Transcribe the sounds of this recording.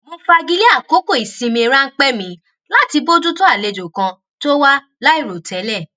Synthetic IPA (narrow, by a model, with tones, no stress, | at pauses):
mõ˧fa˧ɡi˦li˦a˦˨ko˨˦ko˦˨i˨sĩ˧mĩ˧e˧ɾa˦ŋ̩˦k͡pɛ˦mĩ˨˧˦ | la˦ti˧bo˦d͡ʒu˦to˦a˦˨le˧d͡ʒo˨kã˧ | to˦wa˦ | la˦i˦˨ɾo˨tʰɛ˨˦lɛ˦˨